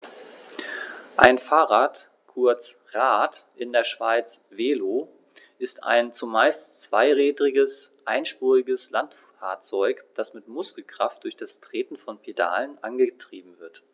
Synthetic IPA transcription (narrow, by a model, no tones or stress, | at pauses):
ʔaɪnfaːʁaːt | kʰʊɐt͡sʁaːtʔɪndeːɐʃv̥aɪt͡sveːloː | ʔɪsta̰ɪnt͡sumaɪstt͡sv̥aɪʁɛːdʁɪɡəsʔaɪnʃpuːʁɪɡəslant | aːɐt͡sɔʏkd̥asmɪtmʊskl̩kʁ̥aft̚d̥ʊɐçd̥astʁ̥eːtn̩fɔnpʰeda̰ːlənʔanɡətʁ̥iːbm̩vɪɐt